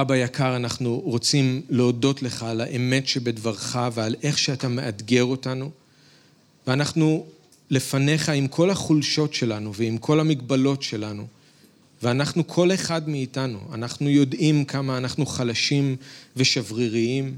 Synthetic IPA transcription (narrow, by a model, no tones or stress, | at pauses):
abajakʰaʁanaχnuʁo̞t͡simleodo̞tle̞χaːlaʔeme̞tʃe̞be̞dvaʁχavealʔe̞χʃeatame̞ʔadɡe̞ʁo̞tanu | veanaχnu | le̞fane̞χaimkʰo̞lhaχulʃo̞tʃe̞lanuveimkʰo̞lamiɡbalo̞tʃe̞lanu | veanaχnukʰo̞le̞χadmiːtanṵa̰naχnujo̞dimkʰamaːnaχnuχalaʃimve̞ʃavʁiʁiim